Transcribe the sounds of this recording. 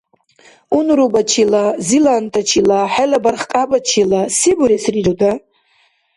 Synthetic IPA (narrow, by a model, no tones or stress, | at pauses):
unrubat͡ʃʰilazilantʼʰat͡ʃʰilaħalabarχkʼabat͡ʃʰilasibʊɾesriroda